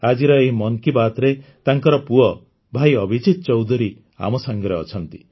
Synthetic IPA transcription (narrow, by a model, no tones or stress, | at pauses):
ad͡ʒiɾɔemɔŋkibat̪ɾet̪aŋkɔɾɔpuɔ | bʱajɔbʱid͡ʒit̪ɔt͡ʃɔwd̪ʱuɾi | a̰mɔsaŋɡɔɾeɔt͡ʃʰɔnt̪i̥